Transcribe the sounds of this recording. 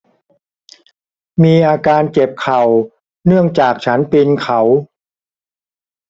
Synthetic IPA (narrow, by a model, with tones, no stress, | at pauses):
miː˧ʔaː˧kaː˧nke˨˩p̚kʰa˨˩w | nɯ˥˩əŋt͡ɕaː˨˩k̚t͡ɕʰa˦˥npi˧nkʰa˨˦w